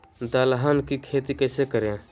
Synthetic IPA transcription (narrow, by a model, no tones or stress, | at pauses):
d̪alɦankikʰet̪ikəɪsekəɾã